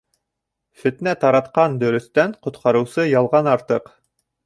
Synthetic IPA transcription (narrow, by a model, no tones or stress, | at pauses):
fɵ̆t̪næt̪ɑɾɑt̪qɑnd̪ɵ̆ɾɵ̆θt̪æɴqŏt̪qʰɑɾɤ̆wsɤjɑlˠʁɑnɑɾt̪ɤq